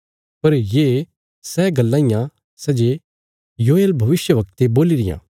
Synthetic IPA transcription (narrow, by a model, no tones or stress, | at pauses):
pɐɾjeː | sɛːɡɐlːãːɪjã | sɛd͡ʒe | joːeːlbʱɐʋɪsjəʋɐkt̪eboːliɾɪjã̰ː